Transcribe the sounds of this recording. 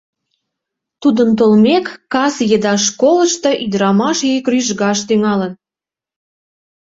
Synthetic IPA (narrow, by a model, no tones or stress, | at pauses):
t̪ud̪ənt̪̬olmekːɑsjed̪ɑʃkoləʃt̪ɤʔid̪ɾɑmɑʃjøjkryʒɣɑʃt̪yŋɑlən